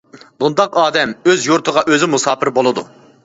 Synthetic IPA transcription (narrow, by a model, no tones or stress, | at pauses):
bund̪ɑqɑːd̪ɛmøzjuɾt̪ʰəʁɑʔøzɪmusɑːpʰɪɾbolˠɨd̪ṵ